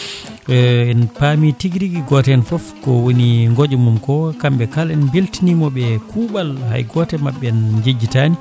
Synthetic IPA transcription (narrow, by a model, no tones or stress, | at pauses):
ɛnpamitiɡɾiɡiɡɔtɛɛnfɔfkɔwoniŋɡod͡ʒumumkɔkambɛkalɛnbiltinimɔɓɛkʰuːɓalha̰jɡɔtɛmaɓːɛnd͡ʒid͡ʒːitani